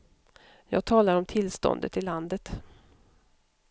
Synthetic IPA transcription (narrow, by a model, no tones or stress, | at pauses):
jɑ̰ːɡ̚t̪ʰɑːlaɾɔmt̪ʰɪlst̪ɔ̰nd̪ə̰t̪ɪlːand̪ət̪